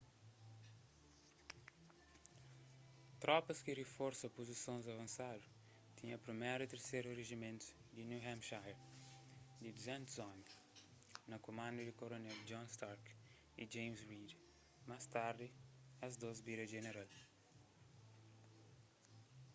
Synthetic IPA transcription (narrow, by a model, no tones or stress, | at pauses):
t̪ɾɔpɐskirefɔɾsɐpozisõnzɐvɐ̃nsad̪u | t̪ĩɲɐpɾimɛɾit̪eɾsejɾureʒimẽnt̪u̥ | d̪injuhɛ̃mʃajɾ | d̪id̪uzɛ̃nt̪uzɔmi | nɐkomãnd̪ɐd̪ikoɾonɛld͡ʒɔ̃nst̪aɾk | id͡ʒẽjmzɾid̪ | majst̪aɾd̪iɐzd̪ozbiɾɐʒeneɾal